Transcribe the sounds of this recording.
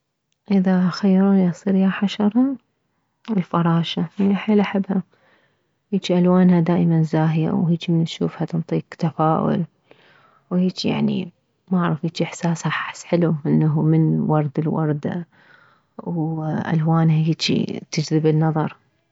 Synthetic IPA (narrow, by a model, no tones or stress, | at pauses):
ʔɪðaxajːɾˤujsˤiːɾjaħaʃɑɾˤɑ | ɪlfɑɾˤɑːʃaaniʔaħeːlʔaħabha | hiːt͡ʃiʔalwaːnhad̪aːʔmanzaːɦja̰whiːt͡ʃimɪnʃuːfhat̪ɨnt̪ˤiːkt̪afaːʔʊ̰l | wheːt͡ʃija̰ʕnḭ | maʕɾˤɑfiːt͡ʃiʔɪħsaːshaħasħɪluʔɪnːaɦumɪnwɑɾˤd̪ɪlwɑ̰ɾˤd̪a̰ | wʔa̰lwaːnhaiːt͡ʃḭt̪ɪd͡ʒɾɪbɪnːɑðˤɑɾˤ